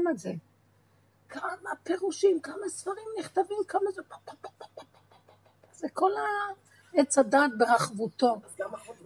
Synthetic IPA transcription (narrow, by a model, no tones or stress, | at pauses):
meze | kʰamape̞ʁuʃimkamasfaʁimniχt̪avimkamazep | z̥eko̞la | et͡sad̪aːt̪̚beʁaχvut̪o̞